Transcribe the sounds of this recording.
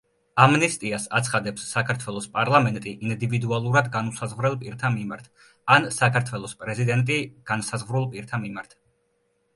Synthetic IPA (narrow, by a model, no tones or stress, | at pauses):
amnɛst̪ʼiasat̪sʰχad̪ɛpsːakʰaɾt̪ʰwɛlˠɔspʼaɾlˠamɛnt̪ʼiʔind̪ivid̪ualˠuɾad̪ɡanusazʁvɾɛlˠpʼiɾt̪ʰamimaɾt̪ʰ | ansakʰaɾt̪ʰwɛlˠɔspʼɾɛzid̪ɛnt̪ʼiɡ̥ansazʁvɾulˠpʼiɾt̪ʰamimaɾt̪ʰ